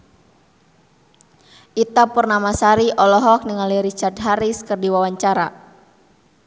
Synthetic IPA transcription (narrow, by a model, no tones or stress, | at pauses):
ʔit̪apərnamasaɾiʔɔlɔɦɔk̚niŋaliɾit͡ʃard̪̚ɦaɾiskərdiwawaɲt͡ʃaɾa̰